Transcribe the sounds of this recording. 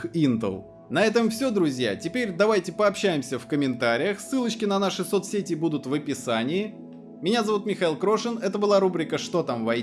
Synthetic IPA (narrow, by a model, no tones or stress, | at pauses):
int̪ə̰lˠ | nɐɛt̪əmfsʲo̞d̪ɾʊzʲja̰tʲɪpʲeɾʲd̪ɐvajtʲɪpəɐpɕːæjɪmsʲəfkəmʲɪnt̪aɾʲɪjəxsːɨlˠət͡ɕkʲɪnɐnaʂɨsot̪sʲetʲɪbud̪ʊt̪vəpʲɪsanʲɪɪ | mʲɪnʲazɐvut̪mʲɪxɐilˠkɾo̞ʂɨnɛt̪əbɨlˠaɾubɾʲɪkəʂt̪o̞t̪amvɐ